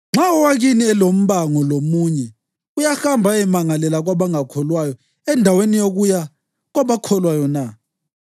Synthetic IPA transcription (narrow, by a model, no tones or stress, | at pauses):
ŋ͡ǁaɔwaɣiniɛlom̩βaŋɔlomuːɲɛ | ujaxambʱaɛmaŋalɛlaɣwaβaŋakʰɔlwajɔ | ɛndʱawenijoɣuja | ɣwaβakʰɔlwajɔna